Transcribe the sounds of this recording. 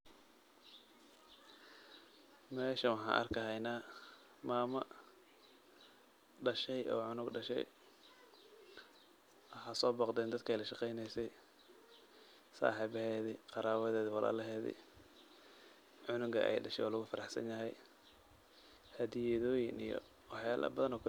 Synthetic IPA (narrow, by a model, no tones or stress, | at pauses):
mɛːʃɐwɑħɑ̰ːʔɐ̰rkʰɐɦɛjnaː | maːmɐ | ɖɐʃɛjʔɔ̰ːʕʊnʊɡɖɐʃɛ̰j | ɐħaːsɔːbɑqd̪ɛːnd̪ɐd̪kʰɛjlɐʃɑqɛjnɛjsɛj | sa̰ːħiːβhɛːðɪqɑɾaːβɐðɛːðɪwɑla̰ːlɐɦɛːðɪ̰ | ʕʊnʊɡɐ̰ʔɛ̰jɖɐʃɛjɔːlʊɣʊfɐɾɑħsɐ̰njɐɦɛj | hɐðijɛðɔːjɪnḭjɔ̰ | wɑħjaːlʔɐ̰bɐðɐnɔːkʰʊ